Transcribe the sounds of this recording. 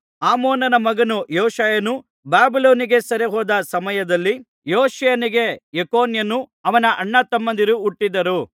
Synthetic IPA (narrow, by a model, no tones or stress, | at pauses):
aːmoːnɐnɐmɐɡɐnujoːʃaːjɐnu | baːbiloːniɡe̞sɐɾeɦɔːd̪ɐsɐmɐjɐd̪ɐlːi | joːʃɐjɐniɡe̞jekoːnjɐnuɐʋɐnɐʔɐɳːɐt̪ːɐmːɐnd̪iɾuːʈːid̪ɐɾu